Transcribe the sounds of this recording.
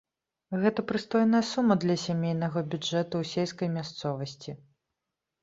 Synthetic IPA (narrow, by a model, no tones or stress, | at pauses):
ɣɛt̪ɐpɾɨst̪ɔjnɐjɐsumɐd̪lʲɐsʲamʲejnɐɣɐbʲud͡ʐɛt̪usʲelʲskɐjmʲast̪sɔvɐsʲt͡sʲi